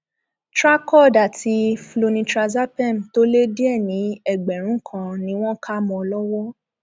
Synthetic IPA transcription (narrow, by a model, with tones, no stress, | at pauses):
tɾa˦kɔ˦˨da˨ti˨˧flo˧nĩ˧tɾa˧za˦pɛ˦˨m˨to˦le˦di˦ɛ˦˨nĩ˨˦ɛ˦˨ɡ͡bɛ˨ɾ̃ũ˨˦kʰã˧nĩ˨˦w̃ɔ̃˦kʰa˦mɔ̃˧lɔ˦wɔ˦